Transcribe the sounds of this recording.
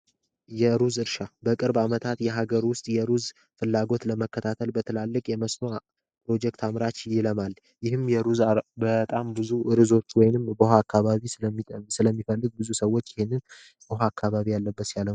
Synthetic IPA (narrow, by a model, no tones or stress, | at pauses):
jɛɾuzɨɾʃabəkʼɨɾbamət̪ʰat̪jɛɦaɡəɾwʊst̪ʼjɛɾuz | fɨlːaɡo̞t̪ləməkːət̪ʰat̪ʰəlbət̪ʰɨlalːɨkʼjɛməsno | pʰɾo̞d͡ʒɛkt̪ʰamɾat͡ʃjɪləmal | jɪhɨmjɛɾuzbət̪ʼambɨzuɾɨzo̞t̪wɔjnɨmbəɦaːkːaβaβisɨəmːisɨləmːifəlːɨɡ̚bɨzusəwːo̞t͡ʃːɪhe̞nːɨn | bəɦaːkʰːaβaβijalːəbːəsjalə